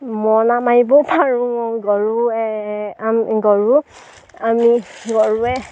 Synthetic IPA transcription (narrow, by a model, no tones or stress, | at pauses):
mɔnamaibɔpʰaɹũmɔɡɔɹuɛamɡɔɹu | amiɡɔɹuɛ